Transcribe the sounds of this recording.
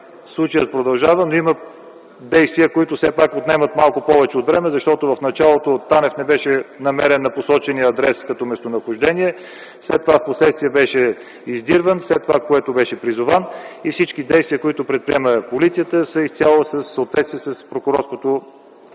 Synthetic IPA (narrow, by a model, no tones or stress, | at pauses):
slˠut͡ʃəjət̪̚pɾod̪ɐlˠʒavənoimə | d̪ɛjst̪viəkoit̪ʊfsɛpakot̪nɛmət̪malˠkʊpɔvɛt͡ʃɛot̪vɾɛmɛzɐʃt̪ɔt̪ʊvɐfnɐt͡ʃalˠot̪ot̪anɛfnɛbɛʃɛnɐmɛɾɛnːɐposɔt͡ʃɛniəːd̪ɾɛskɐt̪ɔmɛst̪onəxʊʒd̪ɛnʲiɛ | slɛt̪ːovafposlɛt̪st̪vijəbɛʃɛ | izd̪iɾvənslɛt̪ːovakoɛt̪ʊbɛʃɛpɾizʊvanifsit͡ʃkid̪ɛjst̪vʲiəkoit̪ʊpɾɛt̪̚pɾiɛməpolit̪sijət̪əsəist̪ʲjalˠosəsːəot̪vɛt̪st̪viɛsəspɾokʊɾɔɾskot̪o